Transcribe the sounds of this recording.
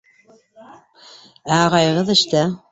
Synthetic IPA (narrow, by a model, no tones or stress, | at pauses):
æɑʁɑjɤ̆ʁɤðɘ̆ʃt̪æ